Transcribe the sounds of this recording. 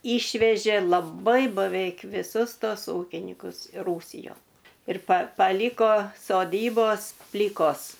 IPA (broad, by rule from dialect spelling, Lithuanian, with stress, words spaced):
ˈiːʃʲʋʲɛʒʲeː lˠɐˈbɐɪ bɐˈʋʲɛɪk ʋʲɪˈsʊs ˈtoːs ˈuːkʲɪnʲɪkʊs ɪ ˈruːsʲɪjoːn ɪr pɐ pɐˈlʲiːkoː soːˈdʲiːboːs ˈpʲlʲiːkoːs